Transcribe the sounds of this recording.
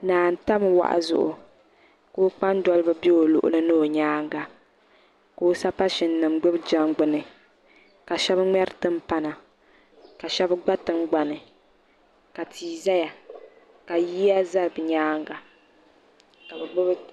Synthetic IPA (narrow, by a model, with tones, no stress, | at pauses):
naː˨n̩˨ta˦mɨ˨wa̰˨ʔa̰˨zʊ̰˨ʔʊ̰˨ | koː˦k͡pa˦n˦dɔ˦lɨ˦bɨ˦bi˦o˨lʊ̰˨ʔʊ̰˨lɨ˦nɨ˦o˨ɲaː˦ŋɡa˨ | ko˦sa˦pa˦ʃɪ˨nːɨ˨mɡ͡bɨ˦bd͡ʒa˦mɡ͡bɨ˨nɨ˨ | ka˨ʃɛ˦bŋ͡mɛ˦ɾtɨ˦m˦pa˦na˨ | ka˨ʃɛ˦bɡ͡ba˦tɨ˦ŋ˦ɡ͡ba˨nɨ˨ | ka˨tʰiː˨za˦ja˨ | ka˨jiː˦a˦za˦ɾbɨ˨ɲaː˦ŋɡa˨ | ka˨bɨ˨ɡ͡bɨ˦bɨ˦